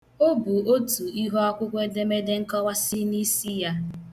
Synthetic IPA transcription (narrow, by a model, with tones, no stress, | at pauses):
o˦bu˨o˦tu˨i˦ɦo˦a˦kʷʊ˦kʷe˦de˦me˦de˦ŋ̩˦kɔ˦wa˦si˦ni˦si˦ja˦